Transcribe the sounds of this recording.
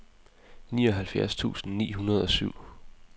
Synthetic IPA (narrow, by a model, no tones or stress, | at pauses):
nḭːɒ̽ɦælfjæɐst͡sʰṵːsn̩nḭːɦunɐð̞ˠɒ̽syʊ̰